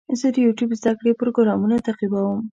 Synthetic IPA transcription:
zəd̪əjuʈjubzd̪akɽepɾoɡɾɑmunat̪aqibawəm

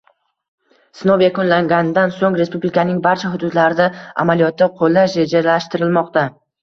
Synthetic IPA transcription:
sɪnowjakʊnlaŋɡʲanɪd̪ansoŋɾespublikʰanɪŋbaɾt͡ʃʰaɦʊd̪ʊd̪laɾɪd̪aa̰malijɒt̪ːaqʰolˠːaʃɾed͡ʒalaʃt̪ɪɾɪlmɒqt̪a

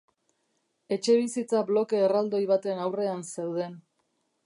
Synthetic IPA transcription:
e̞t͡ʃe̞β̞isit͡sablo̞ke̞ːrald̪o̞jβat̪enawre̞anse̞wð̞e̞n

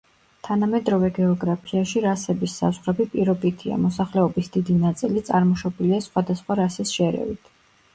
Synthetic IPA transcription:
t̪ʰanamɛd̪ɾɔvɛɡɛɔɡɾapʰiaʃiɾasɛbisːa̰zʁɾɛbipʼiɾɔbit̪ʰia̰mɔsaχlɛɔbisd̪̥id̪inat̪sʼilit̪sʼaɾmɔʃɔbiliasχwad̪asχwaɾasisʃɛɾɛ̰vḭt̪ʰ

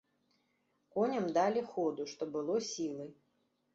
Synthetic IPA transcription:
kɔnʲɐmd̪alʲixɔd̪uʂt̪ɔbɨlˠɔsʲilˠɨ

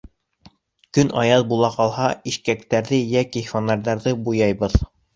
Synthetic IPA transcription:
kɵnɑjɑðbulˠɑqɑlˠhɑiʃkæk̚t̪æɾðɘjækifonɑɾðɑɾðɤbujɑjβɤð

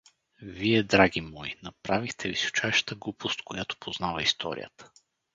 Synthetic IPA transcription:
viɛd̪ɾaɡʲimɔjnɐpɾavixt̪ʰɛviso̥t͡ʃajʃə̥t̪əɡlˠupʰost̪kojat̪o̥pʰoznavəist̪ʰɔ̰ɾḭjə̰t̪ə̥

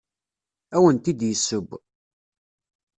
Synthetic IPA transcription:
æwənt̪id̪jəsːʊb

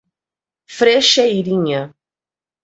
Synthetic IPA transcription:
fɾeʃɐiɾĩɲɐ

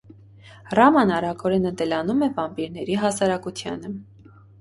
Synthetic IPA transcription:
rɑmɑnɑɾɑkʰɔɾɛnət̪ɛlɑnumɛvɑmpiɾnɛɾiɦɑsɑɾɑkut̪ʰjɑ̰nə

